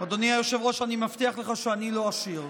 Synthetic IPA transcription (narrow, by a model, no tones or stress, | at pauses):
od̪oniajoʃevʁoʃanimaft̪iaχleχaʃeanilo̞aʃiʁ